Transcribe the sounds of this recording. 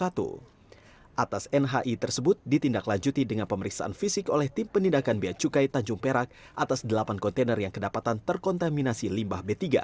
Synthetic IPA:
at̪ṵ | ʔat̪asɛnɦaʔit̪ərsəbʊt̪̚dit̪indaklaɲd͡ʒut̪idəŋanpəməɾiksa̰ʔa̰nfisɪkolɛht̪ɪmpənindakanbiat͡ʃukajt̪aɲd͡ʒuŋpeɾak̚ | ʔat̪asdəlapankɔnt̪enərjaŋkədapat̪ant̪ərkɔnt̪aminasilimbahbet̪iɡa̰

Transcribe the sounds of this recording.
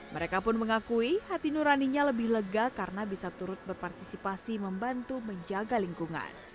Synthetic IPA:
mʔəɾekapʊnməŋakuihat̪inuɾaniɲaləbɪhləɡakaɾənabisat̪uɾʊt̪̚bərpart̪isipasiməmbant̪uməɲd͡ʒaɡaliŋkuŋa̰n

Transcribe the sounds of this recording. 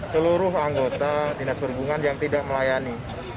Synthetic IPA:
səluɾʊɦaŋɡot̪adinasbərɡuŋanjaŋt̪idaʔ̚məlajani

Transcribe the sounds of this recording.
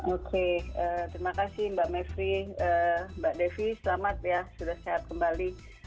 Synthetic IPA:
okʰeət̪ɾimakasɪhmbaʔmɛfɾiəbaʔdefisəlamat̪̚jasudahseat̪̚kəmbali

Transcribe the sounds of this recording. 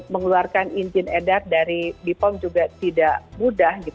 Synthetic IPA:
məŋluarkaniɲd͡ʒɪnedat̪̚daɾibipɔmd͡ʒuɡat̪idaʔmudahɡi

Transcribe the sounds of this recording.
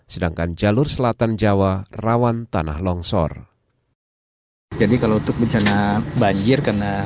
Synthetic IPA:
sədaŋkand͡ʒalʊrsəlat̪and͡ʒawarawant̪ana̰hlɔŋsɔ̰r | d͡ʒadikalaut̪ʊk̚bəɲt͡ʃanabaɲd͡ʒɪrkarna

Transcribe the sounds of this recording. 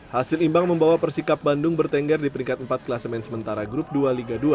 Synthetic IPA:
hasɪlimbaŋməmbawapərsikap̚bandʊŋbərt̪ɛŋɡɛrdipəɾiŋkat̪̚əmpat̪̚klasəmɛnsəmənt̪aɾaɡɾʊp̚dualiɡadua

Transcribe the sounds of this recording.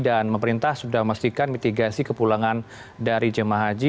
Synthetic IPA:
danməməɾint̪ahsudahmast̪ikanmit̪iɡasikəpulaŋan | daɾid͡ʒəmaɦad͡ʒi

